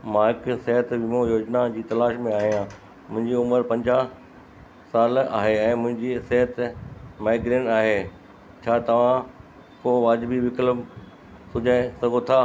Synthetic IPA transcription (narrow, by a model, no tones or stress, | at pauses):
mãːɪksɛɦət̪ʋɪmojoːd͡ʑnad͡ʑiːt̪ɐlaːʃmẽaːɦijãː | mʊ̃ɦɪ̃ɲd͡ʑiʊməɾpɐ̃ɲd͡ʑaː | saːla̰ːɦeɛ̃ːmʊ̃ɦɪ̃ɲd͡ʑisɛɦət̪maːɪɡɾeːɳaːɦeː | t͡ɕʰaːt̪ɐʋ̤ã | koːʋaːd͡ʑbʱiʋɪkləm | sʊd͡ʑʱaːɪ̃sɐɡʱot̪ʰaː